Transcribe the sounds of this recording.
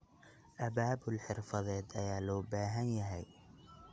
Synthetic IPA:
ʔɐbaːbʊlħɪrfɐðɛːd̪ɐjaːlɔːbaːɦɐnjɐɦɛj

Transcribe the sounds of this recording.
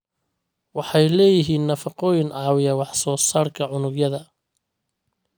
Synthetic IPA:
wɑħɑjlɛːjɪɦiːnːɐfɑqɔːjɪnʕɑːwɪjɐwɑħsɔːsaːrkʰɐʕʊnʊɡjɐðɐ

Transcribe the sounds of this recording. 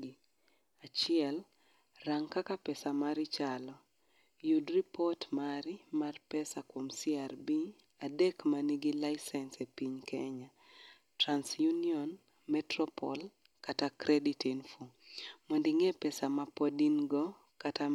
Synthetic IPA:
at͡ʃɪɛl | raŋkakapɛsamaɾɪt͡ʃalɔ | judripɔtmaɾimarpɛsakwomsiarbi | adekmaniɡilaɪsɛnsepiɲkʰɛɲa | transjuniɔn | mɛtɾɔpɔl | katakɾʔɛditinfumondiŋɛpɛsamapɔdinɡo | kata

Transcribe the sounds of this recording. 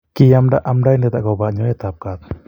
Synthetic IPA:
kijamɖaʔamɖajnɛt̪a̰ʔɡɔbaʔɲɔjɛt̪ap̚kat̪̚

